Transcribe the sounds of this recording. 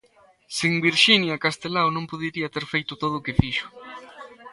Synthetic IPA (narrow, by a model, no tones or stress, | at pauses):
siŋbiɾʃinjakast̪elawnõmpoðiɾiat̪eɾfejt̪ʊt̪oðʊːkɪfiʃʊ̥